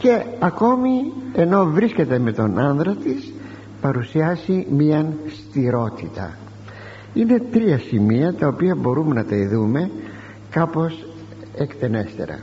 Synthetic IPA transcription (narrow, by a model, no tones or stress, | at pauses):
ce̞ɐko̞mie̞no̞vɾisce̞t̪e̞me̞t̪o̞nɐnðɾɐt̪is | pɐɾusiɐzimiɐnst̪iɾo̞t̪it̪ɐ̰ | ine̞t̪ɾiɐsimiɐt̪ɐopiɐbo̞ɾumenɐt̪ɐiðume̞ | kɐpo̞s | ekt̪e̞ne̞st̪e̞̰ɾɐ̰